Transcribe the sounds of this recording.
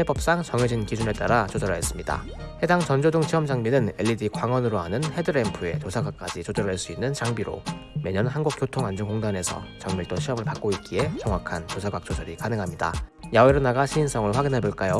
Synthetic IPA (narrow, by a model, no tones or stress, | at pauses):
hebʌp̚s͈aŋt͡ɕʌŋed͡ʑinkid͡ʑune̞t͈aɾat͡ɕodʌɾaes͈ɯmɲida̰ | he̞daŋt͡ɕʌnd͡ʑodɯŋt͡ɕʰiʌmd͡ʑaŋminɯne̞ʎːidikwaŋwʌnɯɾoanɯnhe̞dɯɾe̞mpʰɯe̞t͡ɕosʰaɡak͈̚ad͡ʑit͡ɕodʌɾaɭs͈uinːɯnt͡ɕaŋbiɾo̰me̞ɲʌnɦanɡuk͈̚jotʰoŋand͡ʑuŋkoŋdane̞sʰʌ̰t͡ɕʌŋmiɭt͈oɕʰiʌmɯɭpak͈̚oit̚k͈ie̞t͡ɕʌŋwakʰant͡ɕosʰaɡwak̚t͡ɕ͈osʌɾikanɯŋɦamɲida̰jaweɾɯnaɡaɕʰiːns͈ʰʌŋɯɭɸwaɡinɦe̞boɭk͈ajo